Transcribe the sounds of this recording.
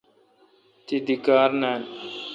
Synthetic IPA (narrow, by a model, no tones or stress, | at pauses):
t̪id̪ɪkaːɾnɛ̃ː